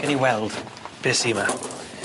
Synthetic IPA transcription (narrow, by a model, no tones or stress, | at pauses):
ɛniwɛlˠd̥b̥ɪsima